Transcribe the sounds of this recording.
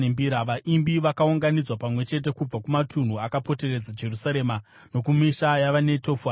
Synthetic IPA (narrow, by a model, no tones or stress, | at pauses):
embiːɾaʋaʔimbiʋakauŋɡanid͡zwapamwe̞t͡ʃe̞t̬e̞kub͡vakumatʰun̤uakapo̞te̞re̞d͡zad͡ʒe̞rusaɾe̞ːma | no̞kumiʃajaʋane̞to̞fa